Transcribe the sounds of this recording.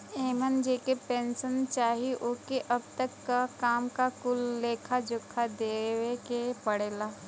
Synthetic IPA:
eːmənd͡ʒeːkepẽːnsənt͡ʃaːɦiʔʊkeʔɐb̚t̪əkːakaːmkakʊlːeːkʰad͡ʒʊkʰːad̪eːwekepəɽeːlaː

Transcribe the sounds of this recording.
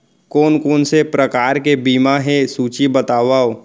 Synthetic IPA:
koːnkoːnsepɾəkaːɾkebiːmaɦẽsuːt͡ʃibɐt̪aːʋaːo

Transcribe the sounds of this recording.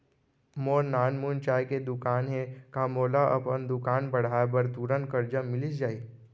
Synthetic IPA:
moːɾnaːnmunt͡ʃaːjked̪ʊkaːnɦẽkamoːlaʔɐ̰pənd̪ʊkaːnbɐɽ̤aːbəɾt̪uːɾənkəɾd͡ʒamɪlisd͡ʒaːiː

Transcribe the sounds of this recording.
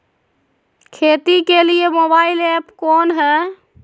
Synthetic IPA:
kʰeːt̪ikeliemoːbaːɪlɛpkoːnɦɛː

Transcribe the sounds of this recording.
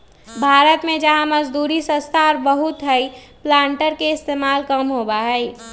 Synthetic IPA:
bʱaːɾət̪mẽd͡ʒəɦãməd͡ʒd̪uːɾisə̃st̪ʰaɔɾbəɦʊt̪ɦəi | plãːɳʈəɾkeɪst̪eːmaːlkəmɦobaɦɛi

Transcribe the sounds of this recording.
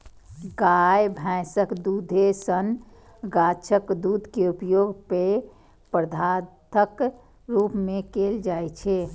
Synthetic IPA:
ɡaːjbʱɛ̃ːsəkd̪uːd̪ʱesən | ɡaːt͡ʃʰəkd̪uːd̪ʱkeupjoːɡpe | pɾəd̪ʱaːt̪ʰək | ɾuːpmẽkeːld͡ʒaːet͡ʃʰe

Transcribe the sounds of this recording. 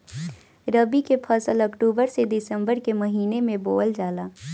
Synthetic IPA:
ɾəbikepʰɐsəlɔkʈuːbəɾsed̪ɪsə̃mbəɾkemɐɦiːnemẽboːld͡ʒaːlaː

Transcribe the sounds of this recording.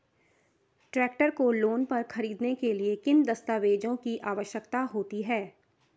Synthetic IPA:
ʈɾɛːkʈəɾkoloːnpɐɾxɐɾiːd̪nekeliekɪnd̪ɐst̪aːʋeːd͡ʒõkiʔaːʋəʃjəkt̪aɦoːt̪iɦɛː

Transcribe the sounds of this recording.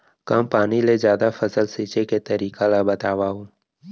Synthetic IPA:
kɐmpaːnilezjaːd̪afɐsəlsiːt͡ʃeket̪ɐɾiːkalabɐt̪aːwaɦũː

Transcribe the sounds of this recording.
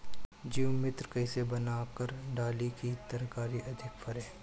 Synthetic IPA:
d͡ʒimɪt̪ɾkɐɪsebɐnaːkəɾɖaːlikit̪ɐɾkaːɾiʔɐd̪ʱɪkfʰɐɾeː

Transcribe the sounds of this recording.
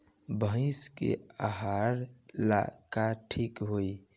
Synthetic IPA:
bʱə̃ɪ̃skḛaɦaɾla̰kaʈʰikɦoi

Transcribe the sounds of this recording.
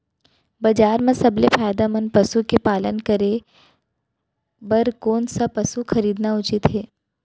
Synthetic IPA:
bɐd͡ʒaːɾmẽsɐblefʰaːjd̪amɐnpɐsukepaːlənkəɾe | bɐɾkoːnsapɐsuxʰɐɾiːd̪naʊt͡ʃɪt̪ɦeː

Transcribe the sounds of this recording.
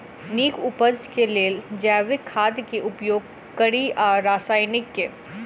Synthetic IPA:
niːkʰʊpəd͡ʒd͡ʒkeleːld͡ʒɛːʋɪkʰːaːd̪jkeʔʊpjoːɡ̚ | kəɽiʔɔːɾːaːsaːɪnɪkːeː

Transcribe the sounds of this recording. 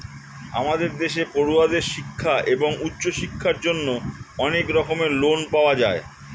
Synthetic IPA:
a̰mad̪eɾd̪eʃepoɾuad̪eɾʃikʰːaʔeboŋutːɕoʃikʰːaɾd͡ʑonːoɔnekɾɔkomelonpaoad͡ʑae

